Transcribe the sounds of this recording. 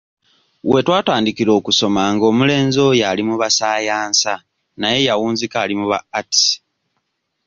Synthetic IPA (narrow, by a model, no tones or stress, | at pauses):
we̞twaːtaːndikiɾo̞ːkuso̞maŋɡo̞ːmule̞ːnzo̞jalimuβasaːjaːnsa | naje̞jawuːnzikaːlimuβa̰ːti̥